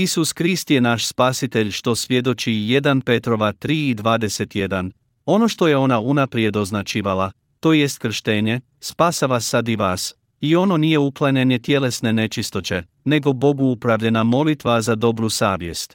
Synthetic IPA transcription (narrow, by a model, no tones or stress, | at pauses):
isuskɾist̪je̞naʃspasit̪e̞ʎʃt̪o̞sʋʲje̞d̪o̞t͡ʃije̞d̪anpe̞t̪ɾo̞ʋat̪ɾiːid̪ʋaːd̪e̞se̞t̪je̞d̪an | o̞no̞ʃt̪o̞je̞o̞naunapɾje̞d̪o̞znat͡ʃiːʋala | t̪o̞je̞st̪kr̩ʃt̪e̞ːɲe̞ | spaːsaʋasːad̪iʋaːs | io̞no̞nije̞uklˠaɲe̞ɲe̞t̪je̞le̞sne̞ne̞t͡ʃist̪o̞t͡ɕe̞ | ne̞ɡo̞bo̞ɡuupɾaʋʎenamo̞lit̪ʋazad̪o̞bɾusaːʋje̞st̪